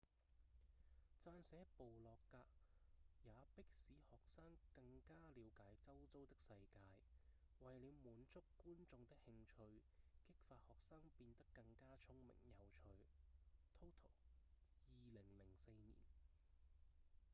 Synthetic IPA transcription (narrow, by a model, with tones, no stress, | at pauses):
t͡saː˧nsɛː˨˥po˨wlɔː˨kːaː˧k̚jaː˨˧˥pɪ˥k̚siː˨˥hɔː˨k̚saː˥ŋkɐ˧ŋkaː˥liː˨˧wkaː˨˥jt͡sɐ˥wt͡so˥wt̪ɪ˥k̚sɐ˧jkaː˧j | wɐ˨jliː˨˧wmuː˨˥nt͡sʊ˥kːuː˥nt͡sʊ˧ŋt̪ɪ˥k̚hɪ˧ŋt͡ʃʰɵ˧ɥkɪ˥k̚faː˨t̚hɔː˨k̚saː˥ŋpiː˧nt̪ɐ˥kːɐ˧ŋkaː˥t͡sʰʊ˥ŋmɪ̰˨˩ŋjɐ˨˧wt͡ʃʰɵ˧ɥt̪ʰo˥wt̪ʰo˨˩wjiː˨lɪ˨˩ŋlɪ˨˩ŋse˧jnḭː˨˩n